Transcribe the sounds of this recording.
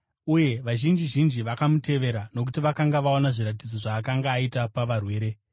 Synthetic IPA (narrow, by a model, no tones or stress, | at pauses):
uje̞ʋaʒind͡ʒiʒind͡ʒiʋakamute̞ʋe̞ɾano̞k̬utiʋakaŋɡaʋaonaʐiɾat̬id͡zo̞ʐaːkaŋɡaːitapaʋarwe̞ːɾe̞